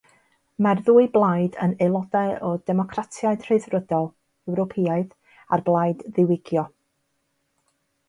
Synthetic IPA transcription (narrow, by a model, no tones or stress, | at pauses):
marðuːɨblˠajdənelˠɔdɛɔdɛmɔkʰratʰjaɨd̥r̥ɨðrədɔlˠ | ɛwɾɔpʰiaɨð | a̰rblˠajdðɪwɪɡjɔ